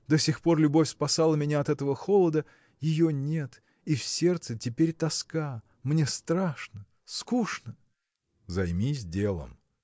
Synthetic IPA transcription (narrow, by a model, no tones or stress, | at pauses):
d̪osʲɪxpo̞rlʲʊbofʲspɐsalˠəmʲɪnʲaɐt̪ɛt̪əvəxolˠəd̪ə | jɪjonʲe̞t̪ | ifsʲe̞rt̪sɨtʲɪpʲeɾʲt̪ɐska | mnʲest̪ɾaʂnə | skuʂnə | zɐjmʲisʲdʲelˠə̰m